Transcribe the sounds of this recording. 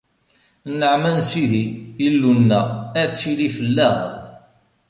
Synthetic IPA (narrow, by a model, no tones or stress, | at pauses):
nəʕmænsiðiəlːunːææt͡sːilifəlːæʁ